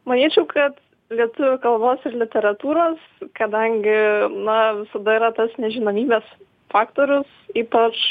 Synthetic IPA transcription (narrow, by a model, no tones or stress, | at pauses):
mɐnʲiːt͡ʃʲɛʊkʰɐt̪ | lʲiɛt̪ʊʋʲʊkɐlˠboːsɪɾlʲɪt̪ʲɛɾɐt̪uːɾoːskɐd̪ɐŋʲɡʲɪnɐʋʲɪsɐd̪ɐiːɾɐt̪ɐsnʲɛʒʲɪnoːmʲiːbʲɛːs | fɑːkt̪oːɾʲʊsiːpɐt͡ʃ